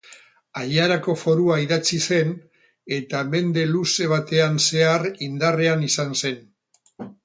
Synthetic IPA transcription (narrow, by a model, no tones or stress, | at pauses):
aʎaɾako̞fo̞ɾuaiðat͡sise̞n | e̞t̪ame̞nd̪e̞luse̞β̞at̪e̞anse̞arind̪are̞anisanse̞n